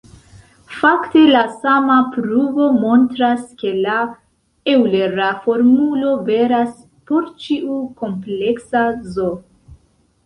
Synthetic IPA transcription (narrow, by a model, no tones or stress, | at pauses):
fakte̞lasamapɾuvo̞mo̞ntɾaske̞la | ewle̞ɾafo̞ɾmulo̞ve̞ɾas | po̞ɾt͡ʃiuko̞mple̞ksazo